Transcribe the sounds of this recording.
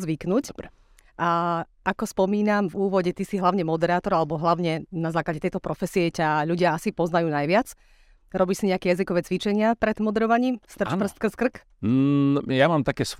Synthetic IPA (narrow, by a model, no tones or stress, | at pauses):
zʋiknuc | ʔa | ʔakɔspɔmiːnamvuːʋɔɟɛt̪isiɦlaʊɲɛmɔd̪ɛɾaːt̪ɔɾalɛbɔɦlaʊɲɛnazaːklaɟɛt̪ɛjt̪ɔpɾɔfɛsiɛcaʎuɟɪaasipɔznajuːnajʋɪat͡s | ɾɔbiːʃsiɲɛakɛjazikɔʋɛːt͡sʋit͡ʃɛɲɪapɾɛd̪mɔd̪ɛɾɔʋaɲiːmst̪r̩pr̩st̪k̩skr̩k | jamaːmt̪akɛs